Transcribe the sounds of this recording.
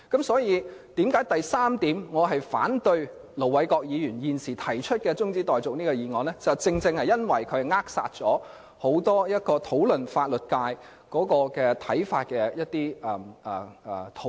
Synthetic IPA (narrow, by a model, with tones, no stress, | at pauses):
kɐ˨˥msɔː˨˥jiː˨˧t̪iː˨˥mkaː˨˥jt̪ɐ˨jsaː˥mt̪iː˨˥mŋɔː˨˧ɦɐ˨jfa̰ː˨˥nt̪ɵ˧ɥ | lo˨˩wɐ˨˧˥jkɔː˧k̚jiː˨˧jyː˨˩njiː˨nsiː˨˩t̪ʰɐ˨˩jt͡ʃʰɵ˥t̚kɛː˧t͡sʊ˥ŋt͡siː˥t̪ɔː˨jt͡sʊ˨k̚niː˥kɔː˧jiː˨ŋɔː˨˧nlɛ˥t͡sɐ˨˩wt͡sɪ˧ŋt͡sɪ˧ŋhɐ˨jɐ˥nwɐ˨˩jkʰɵ˨˧˨ŋaː˥k̚sa̰ː˧t̚t͡sɔː˨˥ | ho˨˥wt̪ɔː˥jɐ˥t̚kɔː˧t̪ʰo˨˥wlɵ˨˩nfaː˧t̚lɵ˨t̚kaː˧j | kɔː˨˥kɔː˧kɛː˧t̪ʰɐ˨˥jfaː˧t̚kɛː˧jɐ˥t̪̚iː˥ɛː˨˩˨ | t̪ʰo˨˥